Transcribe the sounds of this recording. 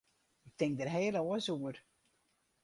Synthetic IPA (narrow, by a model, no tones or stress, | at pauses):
ɪk̚tɪŋk̚dərɦeːləoəsuər